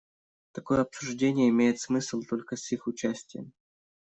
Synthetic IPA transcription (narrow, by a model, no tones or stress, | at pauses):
t̪ɐko̞jəɐpsʊʐdʲenʲɪjəɪmʲejɪt̪smɨsʲlˠt̪o̞lʲkəsʲixʊt͡ɕæsʲtʲɪjə̰m